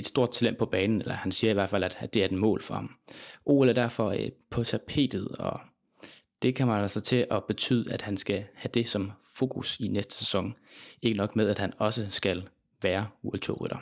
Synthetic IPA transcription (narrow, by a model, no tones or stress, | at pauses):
e̝d̥sd̥o̝ɐ̰d̥̚t͡sʰælem̰̥pʰɒ̽b̥ɛːnn̩elɐhænsiːɐiʋæɐ̰dfæl̰æd̥æ̥e̝æɐe̥mɔ̰̽ːlfɒ̽hɑ̈mʔo̝̰ːlæɐd̥æɐ̰fɒ̽pʰɒ̽t͡sʰæpʰe̝̰ːd̥ð̞̩ˠɒ̽ | d̥e̝kʰæmænsɑt͡sʰe̝ʔɒ̽b̥e̝t͡sʰy̰ːð̞̰ˠəæd̥hænsɡ̥æhæd̥e̝sɒ̽mfo̝ːkʰusinesd̥ə̥sesɒ̽ŋe̝ɡ̥ənɒ̽ɡ̥meðˠæd̥hænɒ̽səsɡ̥æl | ʋæːɐuelt͡sʰo̰ʁḭɾ̥ɐ